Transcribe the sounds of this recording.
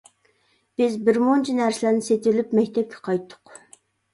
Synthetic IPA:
b̥ɪzbɪɾmont͡ʃʰinæɾsɪlæɾnɪset̪ɪlypmɛkʲt̪ʰɛp̚kʲʰɛ̥qʰɑjt̪ʰːʊ̥q

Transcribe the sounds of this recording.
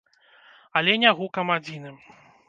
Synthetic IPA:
ɐlʲɛnʲaɣukɐmad͡zʲinɨ

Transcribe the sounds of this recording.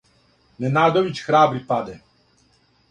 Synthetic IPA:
nɛnaːd̪ɔʋit͡ʃxɾaːbɾipad̪ɛ

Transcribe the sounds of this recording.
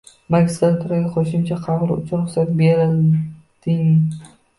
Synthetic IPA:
makʲst̪alt̪ʰʊɾaɡʲɪqʰoʃɪmt͡ʃʰaqʰɑʁɾʊ̰t͡ʃʰʊɾʊχsat̪̚beɾɪl | d̪̥ɪŋ

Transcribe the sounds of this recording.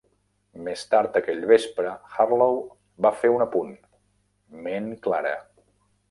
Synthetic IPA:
mest̪aɾt̪əkɛʎβespɾəxarlow | bafeunəpun | menklaɾə̰

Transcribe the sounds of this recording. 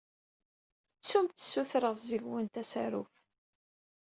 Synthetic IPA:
t͡sːumt̪ːə̥suθɾəʁzəʝwənt̪æsæɾuf

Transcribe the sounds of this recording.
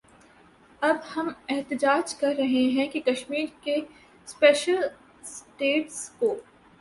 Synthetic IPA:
ɐbhɐmɛɦt̪ɪd͡ʒaːd͡ʒkɐɾːɐɦeɦɛ̃kikɐʃmiːɾke | speːʃəl | sʈeːʈskoː

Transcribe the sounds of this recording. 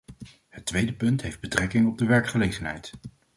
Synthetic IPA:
hətʋejdəpɵntɦejfd̚bətrɛkɪŋɔb̚dəʋɛɹkχəlejχənɦɛ̰jt

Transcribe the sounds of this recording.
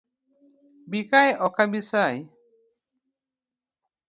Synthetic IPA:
bikajɔkabisaj

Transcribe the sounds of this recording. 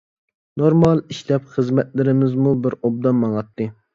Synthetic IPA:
noɾmɑlˠiʃlɛpχəzmɛt̪̚lɪɾɪmɪzmubɪɾob̚d̪ɑmmːɑŋɑt̪ːɨ

